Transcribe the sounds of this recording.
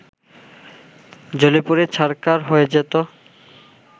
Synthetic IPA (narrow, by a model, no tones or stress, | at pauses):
d͡ʑolipuɾet͡ɕʰaɾkaɾɦoed͡ʑet̪o